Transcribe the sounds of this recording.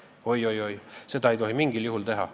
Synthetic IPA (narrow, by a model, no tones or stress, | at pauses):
o̞jo̞jo̞jse̞d̪ɑe̞jt̪o̞ɦimiŋɡiljuɦult̪e̞ɦɑ̰